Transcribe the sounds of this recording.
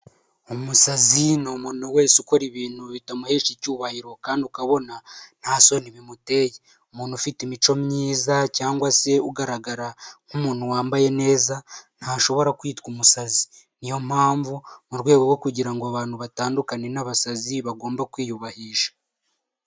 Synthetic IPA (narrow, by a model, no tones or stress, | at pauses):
umusazinomunowe̞ːsuko̞ɾiβiːn̥huβitamuhe̞ːʃicuːβahiɾo̞kaːndiukaβo̞nan̥haso̞niβimute̞ːje | umuːnufitimit͡ʃo̞mɲiːzacaːŋɡwase̞uɡaɾaɡaɾaŋ̥umuːn̥huwaːmbaje̞ne̞ːzan̥haʃo̞βo̞ɾakwiːtkumusazi̥ | nijo̞mhaːɱvumuɾɡwe̞ːɡo̞ɾwo̞kuɟiɾaŋɡoaβaːnhuβataːndukane̞naβasaziβaɡo̞ːmbakwiːjuβahiːʃḁ